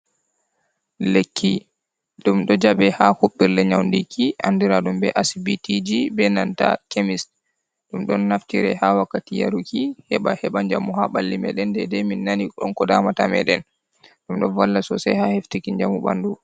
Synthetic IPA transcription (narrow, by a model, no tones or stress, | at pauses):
lekʰːi | ɗumɗɔd͡ʒaɓɛhahuɓːiɾlɛɲawndikʰiandiɾaɗumbɛ̰ʔasbitid͡ʒibɛnanta̰kemis | ɗumɗɔnːaftiɾɛ̰hawakːatija̰ɾukʰihɛɓahɛɓaɲd͡ʒamuhaɓalːimɛ̰ɗɛndɛdɛminːanikɔɗɔnkɔdamatamɛ̰ɗɛn | ɗumɗɔnvalːasɔsɛhaheftikiɲd͡ʒamubandu